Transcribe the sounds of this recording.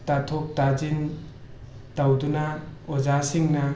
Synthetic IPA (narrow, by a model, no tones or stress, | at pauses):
tatʰɔk̚tad͡ʒin | tawdunaɔzasiŋna